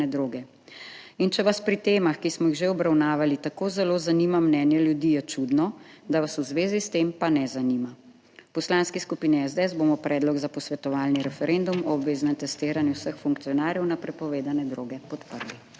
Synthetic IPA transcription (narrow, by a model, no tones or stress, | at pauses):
ɛd̪ɾoːɡɛ | int͡ʃɛʋaspɾit̪eːmaxkismɔjiɣʒeɔbɾawnaːʋalit̪akoːzɛlozanimamnɛnjɛljud̪iːjɛt͡ʃud̪nɔd̪aʋasuzʋeːzist̪empanɛzanima | pɔslanskiskupiːniɛzd̪eɛzboːmɔpɾʔɛːd̪lɔɡzapɔsʋɛt̪ɔʋaːlniɾɛfɛɾʔend̪umɔːbʋeːznɛmt̪ɛst̪eːɾanjuwsəxfuŋk̚t̪ijɔnaːɾjɛwnapɾɛpɔʋeːd̪anɛd̪ɾoːɡɛpɔt̪pəɾli